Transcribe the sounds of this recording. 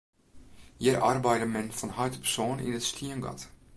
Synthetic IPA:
jiɾʔarbɛjdəmɛnfɔnhœjtə̥psoːnḭnəstʰiənɡɑ̰t

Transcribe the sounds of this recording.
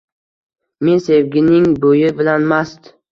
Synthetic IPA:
mensevɡʲɪnɪŋbojɪbɪlanmast̪

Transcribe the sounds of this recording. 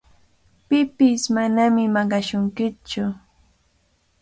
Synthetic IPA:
pɪpɪsmanamɪmɑɢɑʃʊŋkɪt͡ʃʊ

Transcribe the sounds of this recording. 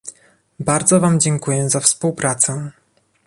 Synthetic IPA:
baɾd̪zɔvamd͡ʑɛŋkujɛzafspuwpɾat̪sɛ

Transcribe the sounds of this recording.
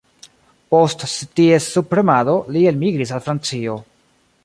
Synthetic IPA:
po̞ststie̞supɾe̞mado̞lie̞lmiɡɾis̬alfɾant͡sio̞

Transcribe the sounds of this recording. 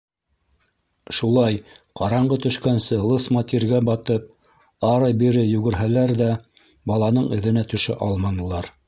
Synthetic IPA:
ʃulˠɑjqɑɾɑɴɢɤt̪ɵ̆ʃkænsɘlˠɤsmɑt̪ʲiɾɡæbɑt̪ɤp̚ | ɑɾɤjbiɾɘjɵ̆ɡɘ̆ɾɦælæɾðæ | bɑlˠɑnɤɴɘ̆ðɘ̆næt̪ɵ̆ʃɘ̰ʔɑlˠmɑnɤ̆lˠɑɾ

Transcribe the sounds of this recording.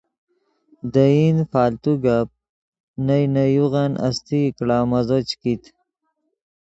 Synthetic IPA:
d̪əinfaːlt̪uɡap̚ | najnajuɣanʔa̰st̪ikɽaːmazot͡ɕkit̪

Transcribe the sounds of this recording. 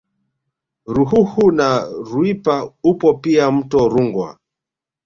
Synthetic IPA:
ɾuɦuhunaɾwipaupɔpiam̩tɔɾuŋɡwa̰

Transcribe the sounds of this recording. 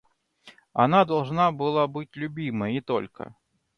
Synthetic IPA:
a̰nad̪alˠʐnabɨlˠabɨt͡sʲlʲubʲimɐit̪ɔ̰lʲkɐ̰

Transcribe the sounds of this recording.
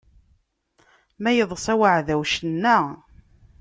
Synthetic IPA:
mæjəðˤsˤæwaʕðæwʃənːæ

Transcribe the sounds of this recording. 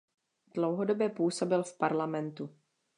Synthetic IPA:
d̥lowɦodo̞bjɛpuːso̞bɪlfpaɾlamɛnt̪u

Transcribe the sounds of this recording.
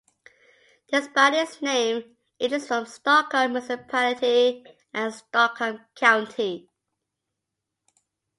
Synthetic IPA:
ðəsbaɾɪsnẽɪ̃m | ɪtɪsfɹə̃mstɔkɔmɪsɪpʰalɪtʰi | ʔə̃nstɔkəmkʰãʊ̃ntʰi

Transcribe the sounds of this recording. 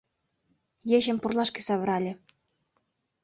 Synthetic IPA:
jeʑɘ̆mpurlˠɑʃkĕsɑβ̆ɾɑlʲĕ

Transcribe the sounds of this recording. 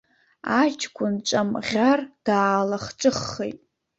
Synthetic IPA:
at͡ʃʰkʷʰʼʊnt͡ʃʷʼamʁʲard̥aːlaχʈ͡ʂʷʼɨχːḛjtʼ

